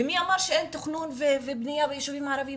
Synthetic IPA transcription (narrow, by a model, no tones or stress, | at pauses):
emiamaʁʃeent̪oχnunvevebnijavejeʃuvimːaːɾavi